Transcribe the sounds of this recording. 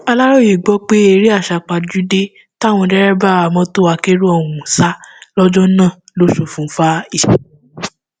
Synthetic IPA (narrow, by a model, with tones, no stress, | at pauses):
a˧la˦ɾɔ˦ji˨ɡ͡bɔ˨˦k͡pe˦e˧ɾi˦a˦˨ʃa˧˨k͡pa˧d͡ʒu˨˦de˦ | ta˦˨w̃ɔ̃˧dɛ˦ɾɛ˦ba˦˨a˨mɔ̃˧˦to˦a˧ke˦ɾu˦ɔ˨wũ˨sa˦lɔ˦d͡ʒɔ˦nãː˦˨ | lo˨˦ʃu˨fũ˨˦fa˦i˦˨